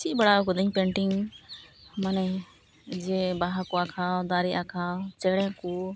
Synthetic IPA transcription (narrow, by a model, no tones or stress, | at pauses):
t͡ʃʰiʔ̚baɽaɔkɔd̪iɲpɛ̃ɳʈiŋ | manɛ | d͡ʒɛbaɦakuakʰad̪aɾiakʰat͡ʃɛɽɛ̃ku